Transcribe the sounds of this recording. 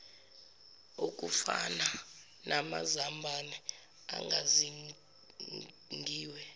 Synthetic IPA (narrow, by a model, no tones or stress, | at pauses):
ok̬ʼufana | nʔamazambʱani | a̰ŋɡa̰zi | ŋɡʱiːwɛ